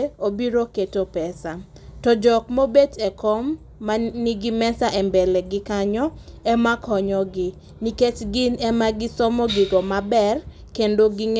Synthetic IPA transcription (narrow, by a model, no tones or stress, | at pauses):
obiɾoketopɛsa | tɔd͡ʒɔkmobetɛkɔmː | aniɡimɛsaʔɛmbɛlɛɡɪkaɲɔɛmakɔɲɔɡɪ | niket͡ʃɡɪnɛmaɡɪsɔmɔɡiɡɔmabɛr | kendoɡiŋ